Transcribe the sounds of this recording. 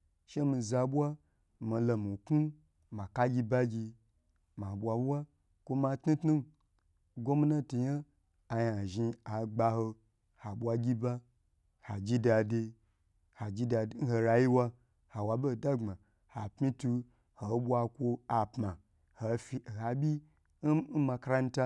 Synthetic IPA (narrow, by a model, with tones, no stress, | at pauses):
ʃe˦mi˧za˧bʷa˦ | ma˧lo˧mi˨ku˦ | ma˨ka˦ɡʲi˧ba˦ɡʲi˧ | ma˨bʷa˨bwa˦ | kʷo˦ma˧tnu˦tnu˦n˨ | ɡo˦mi˦na˦tu˨ɲa˦ | a˧ja˨ʒi˧a˨ɡ͡ba˧ho˧ | ha˨bʷa˧ɡʲi˦ba˦ | ha˨d͡ʒi˦da˧de˧ | ha˨d͡ʒi˦da˧˦n̩˦ho˧ɾa˧ji˦wa˧ | ha˨wa˨bo˦˨da˦ŋ͡ma˨ | ha˨pmi˦tu˧ | ho˨˦ɓʷa˧kʷo˧a˨pma˨ | ho˨fi˧˨ha˨bʲi˦ | ma˧kɾa˦n̩˦ta˧